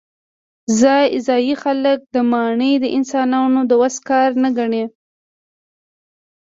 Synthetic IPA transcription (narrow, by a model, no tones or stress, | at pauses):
zɑjɪzɑjixalək̚d̪əmɑɳəjd̪əʔɪnsɑnɑnod̪əwaskɑɾnaɡaɳe